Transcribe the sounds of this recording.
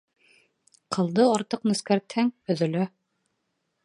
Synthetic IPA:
qʰɤ̆lˠd̪ɤɑɾt̪ɤqnɵ̆skæɾt̪hæŋɵ̆ðɵ̆læ

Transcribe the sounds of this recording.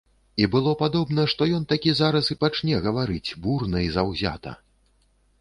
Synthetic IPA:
ibɨlˠɔpad̪ɔbn̪ɐʂt̪ɔjɔnt̪akʲizaɾɐsipat͡ʂnʲɛɣɐvaɾɨt͡sʲburnɐjzawzʲa̰t̪ɐ̰

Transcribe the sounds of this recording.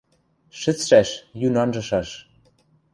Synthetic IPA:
ʃɘ̆t͡sʃæʃjynɑnʒɤ̆ʃɑʃ

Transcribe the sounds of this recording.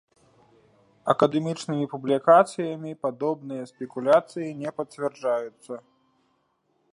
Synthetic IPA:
ɐkɐd̪ɛmʲit͡ʂnɨmʲipublʲikat̪sɨjɐmʲipad̪ɔbnɨjɐspʲɛkulʲat̪sɨjinʲɛpɐt͡sʲvʲɛrd͡ʐajut̪sːɐ

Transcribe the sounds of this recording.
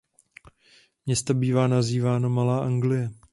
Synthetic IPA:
mɲɛst̪abiːvaːnaziːvaːnomalaːʔaŋɡlɪjɛ

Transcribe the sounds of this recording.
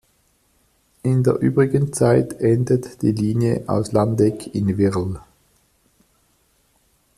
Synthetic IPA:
ʔɪndeːɐʔy̰ːbʁɪɡənt͡saɪtʔɛndətd̥ḭːliːnjəʔa̰ʊslandɛkʰɪnvɪʁl̩

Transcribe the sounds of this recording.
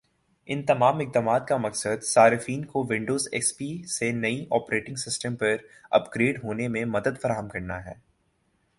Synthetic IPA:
ɪnt̪ɐmaːmɪk̚d̪aːmaːt̪̚kamɐksəd̪saːɾɪfiːnkoʋɪ̃ɳɖoːzɛ̰ːspiːsenɐiʔɔːpɾeːʈɪ̃ŋɡsɪsʈə̃mpɐɾɐ̰pɡɾeːɖɦoːnemẽmɐd̪əd̪fɐɾaːɦəmkɐɾnaɦɛ̰ː

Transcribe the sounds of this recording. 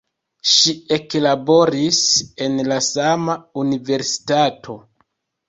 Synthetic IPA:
ʃie̞klabo̞ɾise̞nlasamaunive̞ɾsi̥tatʰo̞

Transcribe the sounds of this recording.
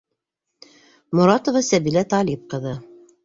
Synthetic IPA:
mŏɾɑt̪ŏvɑsæbilæt̪ɑlʲip̚qɤ̆ðɤ

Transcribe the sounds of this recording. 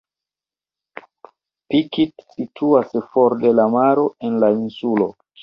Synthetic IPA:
pikitsitʰuasfoɾde̞lamaɾo̞e̞nlainsulo̞

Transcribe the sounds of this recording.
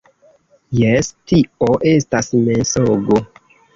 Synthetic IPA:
jestioʔestasmensoɡo

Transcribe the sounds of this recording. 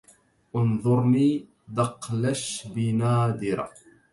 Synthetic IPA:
ʔʊnðˤʊɾˤniː | d̪ɑqlaʃbɪnaːd̪ɪɾ̰

